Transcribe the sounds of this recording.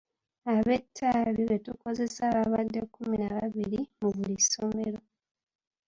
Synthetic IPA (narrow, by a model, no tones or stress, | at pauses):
aβe̞tʰːaliβetuko̞ze̞saβaβadːe̞kːuminaβaβiɾimuβulisomeɾo̞